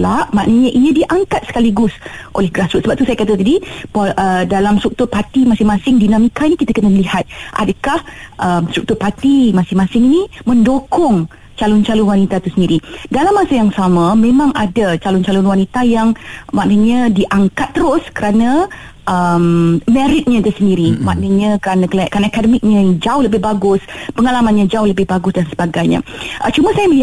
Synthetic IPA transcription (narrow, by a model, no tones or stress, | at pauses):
laʔmaʔnəɲəʔiɲə̃diʔaŋkat̪̚sə̥kaliɡʊsʔo̰lɛhɡɾasɾʊt̪səbap̚t̪usajəkat̪ət̪adipoʔədalamst̪ɾuk̚t̪ʊrpat̪imasɪŋmãsɪŋdinãmikainikit̪əkənəməlihat̪̚ʔa̰dəkahʔəmst̪ɾuk̚t̪ʊrpat̪imasɪŋmasɪŋinimə̃ndokɔŋ | t͡ʃalʊnt͡ʃalʊnwanit̪at̪usəndiɾidalamːasajaŋsamãmẽmãŋʔadat͡ʃalʊnt͡ʃalʊnwanit̪ajaŋmaʔnəɲə̃diʔaŋkat̪ːəɾʊskəɾanã | ʔəmmɛ̃ɾɪt̪̚ɲə̃dusəndiɾimaʔnəɲə̃kəɾanəkəlaja̰ʔkanakadəmɪk̚ɲə̃d͡ʒaʊhləbɪhbaɡʊspəŋalamanɲəd͡ʒaʊhləbɪhbaɡʊsdansəbaɡajɲə̰̃ʔət͡ʃumãsajabəi